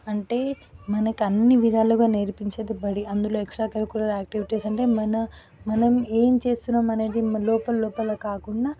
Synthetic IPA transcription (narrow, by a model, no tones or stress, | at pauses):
ɐɳʈe̞ː | mɐnɐkiɐnːiʋid̪ʱaːluɡaːneːɾpiɲt͡ʃe̞ːd̪ibɐɽiɐnd̪ulo̞ːɛksʈɾaːkɐɾkulɐɾaːk̚ʈiʋiʈiːsɐɳʈe̞ːmɐnɐ | mɐnɐme̞ːmt͡ʃe̞ːst̪unːaːmɐne̞ːd̪ilɔːpɐlːɔːpɐlɐkaːkuɳɖaː